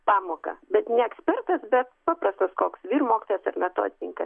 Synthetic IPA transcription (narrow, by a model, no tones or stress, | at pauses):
pɑːmoːkɐ̰bʲɛt̪nʲɛɛksʲpʲɛrt̪ɐsbʲɛt̪pɑːprɐst̪ɐskoːksʋʲiːrmoːkʲɪt̪oːjɛsɐrmʲɛt̪o̰ːd̪ʲɪnʲɪŋkɐs